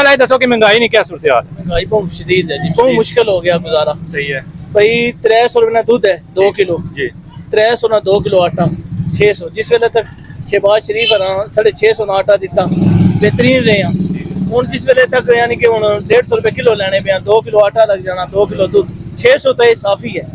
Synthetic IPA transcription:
laːiːd̪əsoːkɪmɛ̃ŋɡaːiːnĩːkjaːsʊɾt̪eːa̰ːlɛmə̃ŋɡaːiːpəũːʃəd̪iːd̪ɛːd͡ʒiːpəũːmʊʃkɪlɦoːɡɪjaːɡʊzaːɾaːsəɦiːɛːpəiːt̪ɾɛːsɔːɾpeːnãːd̪uːd̪ɛːd̪oːkɪloːd͡ʒiː | t̪ɾɛːsoːnãːd̪oːk̬ɪloːaːʈʰaːt͡ʃʰeːsɔːd͡ʒɪsʋeːleːt̪ək | ʃɛːbaːzʃəɾiːpʰɾãːsəɽeːt͡ʃʰeːsɔːnaːaːʈʰaːd̪ɪt̪ːãːbeːt̪əɾiːnɾejãːd͡ʒiɦʊɳd͡ʒɪsʋeːleːt̪əkjãːnĩːkɪɦʊnseːʈsɔːɾʊpeːkɪloːlɛːɽ̃eːbejãːd̪oːkɪloːaːʈʰaːləɡd͡ʒaːnaːd̪oːkɪloːd̪uːd̪t͡ʃʰeːsɔːt̪aeːsaːpʰiːɛː

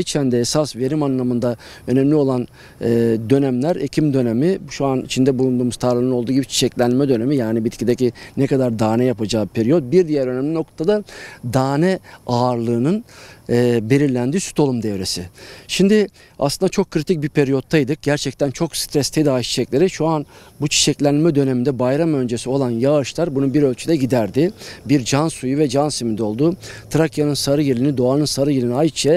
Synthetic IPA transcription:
it͡ʃʰænd̪ɛːsasve̞ɾimanlˠamɯnd̪a | ø̞nɛmlʲio̞lˠan | ɛːd̪ø̞næmlʲæɾecʰimd̪ø̞nemibʃuanḭt͡ʃʰind̪ɛbulˠund̪uːmuzt̪ʰaɾlˠɯnɯo̞lˠd̪uːɟibit͡ʃʰi̥t͡ʃʰɛclʲænmɛd̪ø̞ne̞mijaːnibit̪cʰid̪ecinɛkad̪aɾd̪aːnɛjapad͡ʒaːpʰeɾijot̪̚biɾd̪ijæɾø̞nɛmlʲino̞k̚t̪t̪ʰad̪ad̪aːnɛaːɾlˠɯːnɯnː | be̞lʲiɾlʲænd̪iːsy̥t̪ʰo̞lˠumd̪ɛvɾe̞sɪʃimd̪ɪ | a̰slˠɯnd̪at͡ʃʰo̞kʰːɾit̪ʰic̚bipʰe̞ɾijo̞t̪ʰːajd̪ɯk̚ɟæɾt͡ʃʰɛc̚t̪ʰænt͡ʃʰo̞kst̪ɾɛst̪ʰed̪aːiʃi̥t͡ʃʰɛclʲe̞ɾiʃuanbut͡ʃʰi̥ʃɛclʲænilmɛd̪ø̞ne̞mind̪ɛbajɾamø̞nd͡ʒe̞sio̞lˠanjaːɯʃlˠaɾbunubiɾø̞lʲt͡ʃʰyd̪ɛɟid̪æɾd̪ɪbiɾd͡ʒansujuvɛd͡ʒansimind̪o̞lˠd̪ut̪ʰɾakjanɯnsaɾɯjelʲinid̪o̞anɯnsaɾɯjelʲinajt͡ʃʰɛ

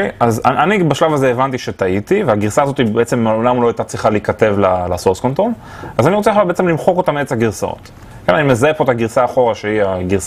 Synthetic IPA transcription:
ejazaʔanibaʃlavazeːvant̪iʃetait̪iveaɡiʁsaːzo̞t̪ibeet͡semːeolamlo̞ajtat͡sʁiχaliikate̞vlalasoʁsko̞ntʁo̞l | azaniʁo̞t͡seeχlabeet͡semlimχo̞ko̞tamet͡saɡiʁsao̰t̪ | kenanimezaepo̞t̪aɡiʁsaːχo̞ʁaʃeiaɡiʁs

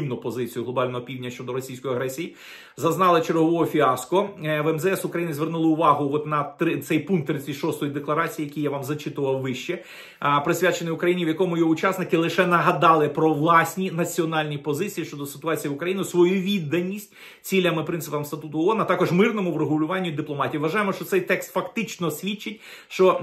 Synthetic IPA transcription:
imnʊpɔzɪt͡sʲijʊɦlˠɔbɑlʲnɔɦɔpʲiwdʲnʲɐʃt͡ʃɔd̪ɔɾɔsʲijsʲkɔjɐɦɾɛsʲiji | zɐznɑlˠɪt͡ʃeɾɦɔʋɔɔfʲiɑskɔʋɛmzɛɛsʊkɾɐjinɪzʲʋʲernulˠɪʊʋɑɦʊɔt̪nɐt̪ɾɪt̪sɛjpunk̚t̪ːɾɪt͡sʲɪtʲʃɔst̪ɔjid̪eklˠɐɾɑt͡sʲijijɐkʲijaʋɑmzɐt͡ʃɪt̪ʊʋɐwʋɪʃt͡ʃɛ | pɾɪsʲʋʲjat͡ʃenɪʊkɾɐjinʲiʋjɐkɔmʊjɔʊt͡ʃasnɪkɪlˠɪʃɛnɐɦɐd̪ɑlˠɪpɾɔʋlˠɑsʲnʲinɐt͡sʲiɔnɑlʲnʲipɔzɪt͡sʲijiʃt͡ʃɔd̪ɔsɪ̥t̪ʊɑt͡sʲijiʊkɾɐjinɪsʋɔjuʋʲid̪ːɐnʲisʲtʲ | t͡sʲilʲɐmɪpɾɪnsɪpɐmst̪ɐt̪ut̪ʊɔɔnɐt̪ɑkɔʒmɪrnɔmʊʋɾʊɦʊlʲʊʋɑnʲːʊd̪ɪplˠɔmɑtʲiʋiʋɐʒɑjemɔʃt͡ʃɔt̪sɛjt̪ɛkst̪fɐkt̪ɪt͡ʃnɔsʲʋʲit͡ʃːɪtʲʃt͡ʃɔ

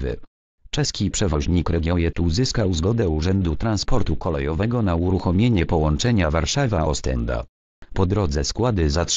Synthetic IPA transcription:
vɘ̰ | t͡ʂɛskʲipʂɛvɔʑɲikɾɛɡʲjɔjɛt̪uzɘskawzɡɔd̪ɛuʐɛnd̪ut̪ɾanspɔɾt̪ukɔlɛjɔvɛɡɔnauɾuxɔmʲjeɲɛpɔwɔnt͡ʂɛɲavaɾʂavaʔɔst̪ɛ̰nd̪a̰ | pɔd̪ɾɔd̪zɛskwad̪ɘzat

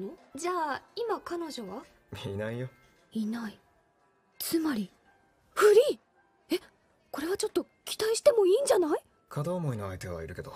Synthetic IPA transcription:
nod͡ʑaːimakano̞ʑo̞βa | mʲiinaijo̞ | inai | t͡sɨmaɾʲi | ɸɯ̟ɾʲiː | e̞ | ko̞ɾe̞β̞at͡ɕo̞t̪ːo̞ | kʲi̥t̪aiɕi̥t̪e̞mo̞iːɲ̟d͡ʑanai | kʰad̪aːmoinoait̪e̞βa̰iɾɯ̟ke̞d̪o

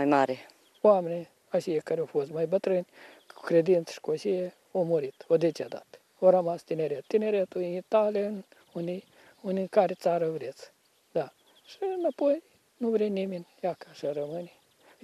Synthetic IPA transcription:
ajmaːɾe | waːmenʲe | aʃijekaɾʲofosmajbɐt̪ɾɨnʲ | kɾʲed̪int͡sʂkoaʃije | omoɾit̪od̪ʲet͡ʃʲad̪a̰t̪ | oɾɐmast̪ʲinʲeɾʲet̪t̪inʲeɾʲet̪oiit̪alʲin | unʲi | unʲikaɾʲet͡saːɾɐvɾʲet͡s | d̪a | ʂɨnɐpoj | nuvɾʲenʲimʲinʲjakḁʂɐɾɐmɨnʲi

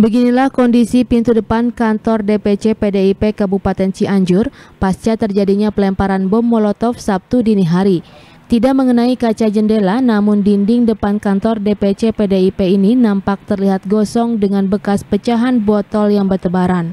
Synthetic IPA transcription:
bəɡinilahkɔndisipint̪udəpankant̪ɔrdepet͡ʃepedeipekabupat̪ɛnt͡ʃiaɲd͡ʒʊrpast͡ʃat̪ərd͡ʒadiɲapəlɛmpaɾanbɔmːɔlɔt̪ɔfsap̚t̪udiniɦaɾi | t̪idak̚məŋənaikat͡ʃad͡ʒəndelanamʊndindɪŋdəpankant̪ɔrdepet͡ʃepedeipeininampak̚t̪ərliɦat̪̚ɡɔsɔŋdəŋanbəkaspət͡ʃaɦanbɔt̪ɔljaŋbərt̪əbaɾan

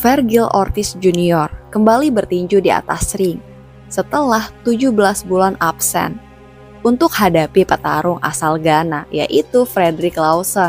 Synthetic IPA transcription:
fɛrɡilɔ̰rt̪ɪsd͡ʒuniɔrkəmbalibərt̪iɲd͡ʒudia̰t̪a̰sɾɪŋ | sət̪əlaht̪ud͡ʒubəlasbulanapsɛ̰n | unt̪ʊk̚hadapipət̪aɾʊŋa̰salɡanaja̰ʔit̪ufɾedɾɪklawsɔn

